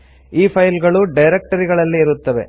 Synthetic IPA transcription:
iːpʰɐjlɡɐɭuɖɐjɾek̚ʈɐɾiɡɐɭɐlːiːɾut̪ːɐʋe̞̰

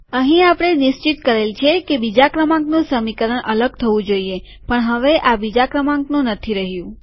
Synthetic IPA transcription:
əɦĩapɽ̃eniʃt͡ʃit̪kəɾelt͡ʃʰekebid͡ʒakɾəmãŋknũsəmikəɾəɳʔələɡ̚t̪ʰəʋũd͡ʒoie | pəɳɦəʋeʔabid͡ʒakɾəmãŋknũnət̪ʰiɾəɦjũ

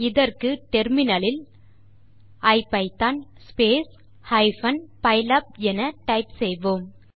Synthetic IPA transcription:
ɪðɐrkɯʈɛɾmɪnɐlɪl | ɐɪpːɐɪt̪aːnspeːs | hɐɪfɐnpɐɪlɐp̚ɛnɐʈɐɪpsɛjʋoːm

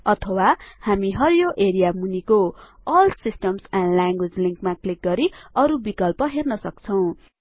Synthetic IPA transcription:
ʌt̪ʰʌwahamiɦʌɾjoʔeɾijamunikoʌlt̪sisʈʌmsanɖlaŋɡwed͡zliŋkmaklik̚ɡʌɾiʌɾubikʌlpʌɦernʌsʌkt͡sʰʌw̃

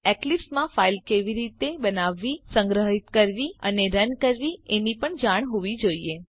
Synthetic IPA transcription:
ɛklipsmãfailkeʋiɾit̪ebənaʋːisə̃ŋɡɾəɦit̪kəɾʋiəneɾənkəɾʋienipəɳd͡ʒaɳ̃ɦuʋid͡ʒoie

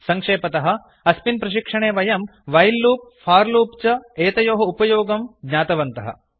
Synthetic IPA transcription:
sɐŋkʂeːpɐt̪ɐɦɐ̆ | ɐspinpɾɐʃikʂɐɳeːʋɐjɐmʋɐjlːuːp̚fʰaːɾluːpt͡ʃɐeːt̪ɐjoːɦɐupɐjoːɡɐmɡɲaːt̪ɐʋɐnt̪ɐɦɐ̰

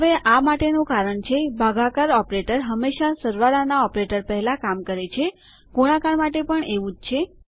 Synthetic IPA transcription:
ɦəʋeʔamaʈenũkaɾəɳt͡ʃʰebʱaɡakaɾɔpɾeʈəɾɦəmːeʃasəɾʋaɾanaɔpɾeʈəɾpəɦɛlãkamkəɾet͡ʃʰe | ɡ̥oɽ̃akaɾmaʈepəɳeʋũd͡ʒt͡ʃʰe

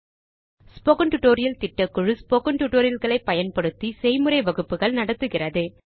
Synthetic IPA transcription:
spoːkɐɳʈʊʈːoːɾɪjɐlt̪ɪʈːɐkːɯɻɯspoːkɐɳʈuʈːoːɾɪjɐlɣɐɭɐɪpːɐjɐnpɐɽɯt̪ːisɛjmɯɾɐɪʋɐɣɯpːɯɣɐɭnɐɽɐt̪ːɯɣɪrɐðɯ

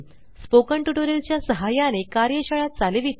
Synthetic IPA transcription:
spokəɳʈuʈoɾelt͡ɕjasəɦajanekaɾjəɕəɭat̪̚t͡saleʋit̪

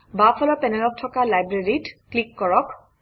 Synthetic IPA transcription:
bapʰɔlɔpɛnɛlɔk̚tʰɔkalajbɹeɹitklikːɔɹɔk

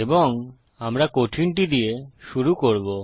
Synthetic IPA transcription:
eboŋ | amɾakoʈʰinʈ̬id̪ijeʃuɾukoɾbo

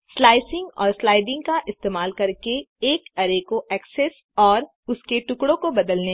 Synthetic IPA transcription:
slaːɪsɪ̃ŋɡɔ̰ːɾslaːɪɖɪ̃ŋɡkaʔɪst̪eːmaːlkɐɾkeː | kɐɾekoʔɛːksɛs | ɔːɾ | ʊskeʈʊkɽõkobɐd̪əlne

